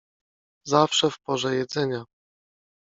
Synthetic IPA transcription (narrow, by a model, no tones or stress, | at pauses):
zafʂɛfpɔʐɛjɛd̪zɛɲa